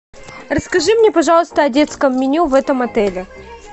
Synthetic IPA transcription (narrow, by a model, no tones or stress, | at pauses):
rəskɐʐɨmnʲepɐʐɑlˠəst̪əɐdʲe̞t̪skəmːʲɪnʲuvɛt̪əmɐt̪ɛlʲɪ